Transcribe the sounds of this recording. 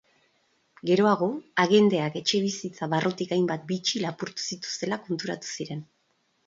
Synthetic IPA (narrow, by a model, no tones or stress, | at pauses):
ɡe̞ɾo̞aɣ̞o̞aɣe̞nd̪e̞ake̞t͡ʃe̞β̞isit͡saβarʔot̪ikajmbat̪̚bit͡ʃilapuɾt̪u̥sit̪u̥st̪e̞lako̞nt̪uɾat̪u̥siɾe̞n